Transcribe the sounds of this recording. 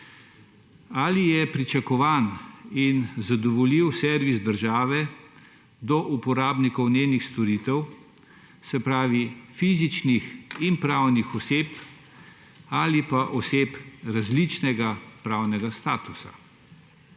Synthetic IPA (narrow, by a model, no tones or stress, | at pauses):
alijɛpɾit͡ʃakɔʋaːninzad̪ɔʋɔliwsɛɾʋisd̪əɾʒaːʋɛ | d̪ɔʔupɔɾaːbnikɔwneːnixst̪ɔɾiːt̪ɛw | sɛpɾaːʋifiːzit͡ʃnixinpɾawnixɔseːp | aːlipaʔɔsepɾazlit͡ʃnɛɡapɾaːwnɛɡast̪aːt̪usa̰